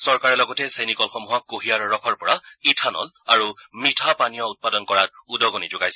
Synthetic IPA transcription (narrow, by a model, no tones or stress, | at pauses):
sɔɹkaɹɛlɔɡɔtɛsenikɔlxɔmuɦɔkːoɦijaɹɔɹɔkʰɔɹpɔɹaitʰanɔ̰l | aɹumitʰapanijɔut̚padɔnkɔɹat̚udɔɡonid͡ʒʊɡajsɛ